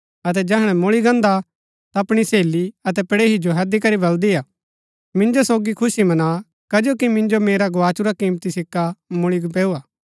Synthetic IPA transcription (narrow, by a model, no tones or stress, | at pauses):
ɐt̪̬ɛd͡ʒɛɦəɽ̃ɛmʊɭiɡɐ̃nd̪a | t̪aɐpɽ̃iseːliɐt̪ɛpɽeːɦid͡ʒoɦɛd̪ikɐɾibɐld̪iaː | mɪ̃nd͡ʒosoːɡikʰʊsimɐna | kɐd͡ʒoːkimɪ̃nd͡ʒomeːɾaɡoaːt͡ʃuɾakĩːmt̪isɪkːamʊɭiɡp̬eːuːaː